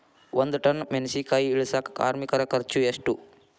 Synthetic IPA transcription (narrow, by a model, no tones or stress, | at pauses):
ʋɐnd̪uʈɐnːmensiːkaːjiɭusɐkka̰ːɾmikɐɾɐkɐɾt͡ʃueʂʈu